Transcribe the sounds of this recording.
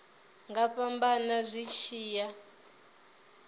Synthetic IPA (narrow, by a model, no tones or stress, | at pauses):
ŋɡapambanazʷiʃiːja